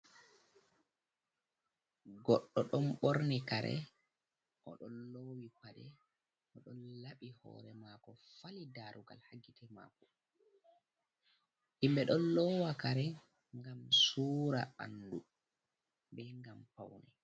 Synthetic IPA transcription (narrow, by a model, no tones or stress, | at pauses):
ɡɔɗːɔɗɔnɓɔɾnɛkaɾʔɛ̰ | ʔɔɗɔnlowikadɛ | ʔɔɗɔnlaɓihɔ̰ːɾɛmakɔfalidaɾuɡa̰lhaɡitʰɛma̰ːkɔ | ʔimbɛɗɔnlɔwakaɾɛ | ŋɡamsuːɾa̰a̰ndu | bɛŋɡampawnɛ